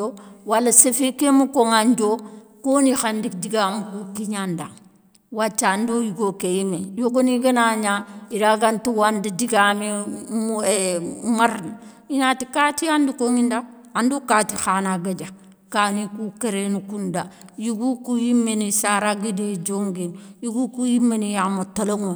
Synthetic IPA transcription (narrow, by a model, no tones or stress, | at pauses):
owalːasefekemukoŋand͡ʒokonixandikdiɡamukukiɲanda̰ŋ | wat͡ʃːandojiɡokejimejoɡoniɡanaɲaiɾaɡantuwandidiɡamemuemaɾni | iɲatikatiandikoŋinda | andukatixanaɡad͡ʒa | kanikukeɾenukundajuɡukujimːenisaɾaɡided͡ʒoŋɡinjuɡukujimenijamotaloŋo